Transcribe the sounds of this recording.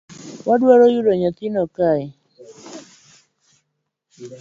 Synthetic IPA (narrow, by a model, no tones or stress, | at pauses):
wadwaɾɔjuɾɔɲat̪ɪnɔkaɪ